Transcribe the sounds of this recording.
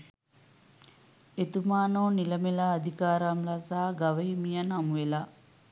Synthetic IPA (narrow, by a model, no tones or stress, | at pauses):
et̪umaːnoːnilɐmelaːd̪ʱikaːɾamlasaːɡaʋɐimijɐnɐmʋela